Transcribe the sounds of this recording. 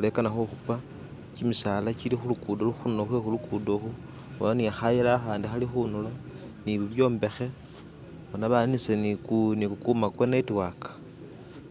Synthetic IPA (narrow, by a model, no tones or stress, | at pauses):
ule̞kanaxoxupa | t͡ʃimisalat͡ʃilixulukuːdoluxunoxwexulukudoxu | olaniaxajelaːxaːndixalixunula | niβiβjo̞ːmbe̞xe̞ | βonaβanisenikunikukumakwenaitwakḁ